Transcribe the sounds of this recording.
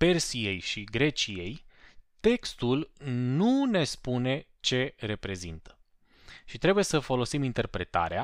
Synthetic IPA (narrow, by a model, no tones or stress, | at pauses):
pe̞rsije̞jʃiɡɾe̞t͡ʃije̞jt̪e̞kst̪ulnune̞spune̞ | t͡ʃe̞ɾe̞pɾe̞zint̪ə̥ | ʃit̪ɾe̞buje̞səfo̞lo̞simint̪e̞rpɾe̞t̪a̰ɾea